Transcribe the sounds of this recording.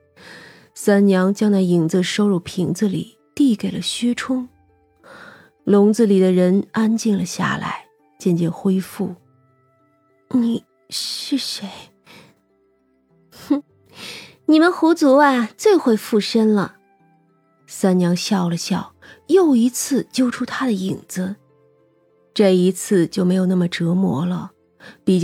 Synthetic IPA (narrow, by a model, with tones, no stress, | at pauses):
sa˥nnjɑ˧˥ŋt͡ɕjɑ˥ŋt͡sa˥˩ɪi˨˩ŋd͡zə˥˧ʂo˥ʊɻu˥˩pʰi˧˥ŋd͡z̩˥˧lḭ˨˩ | t̪i˥˩ke˨˩ɪlə˦ɕy˥ʈ͡ʂʰʊ˥ŋ | lʊ˧˥ŋd͡zɹ̩˥˧li˨˩d̪ə˦ɻə˧˥na˥nt͡ɕi˥˩nlə˩ɕja̰˥˩la̰˧˥ɪ | t͡ɕjɛ˥˧nt͡ɕjɛ˥˩nxwe˥ɪfu˥˩ | ni˥˧˩ | ʂɻ̩˥˩ʂe˧˥ɪ | ni˨˩mə˦nxu˧˥t͡su˧˥a˥˩t͡swe˥˧ɪxwe˥˧ɪfu˥˩ʂə˥nlə˨˩ | sa˥nnjɑ˧˥ŋɕjɑ˥˩ʊlə˩ɕjɑ˥˩ʊjo˥˩ʊi˧˥t͡sʰɹ̩˥˩t͡ɕjo˥ʊʈ͡ʂʰu˥t̪ʰa˥d̪ə˨i˨˩ŋd͡z̩˧ | ʈ͡ʂɤ˥˩i˧˥t͡sʰɹ̩˥˧t͡ɕjo˥˩ʊme˧˥ɪjo˨˩na˥˩mə˩ʈ͡ʂɤ˧˥mwɔ̰˧˥lə˧ | pi˨˩t͡ɕ